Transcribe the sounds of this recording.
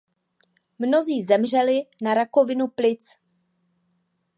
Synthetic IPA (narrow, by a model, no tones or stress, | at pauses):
mno̞ziːzɛmr̝ɛlɪnaɾako̞vɪnuplɪt͡s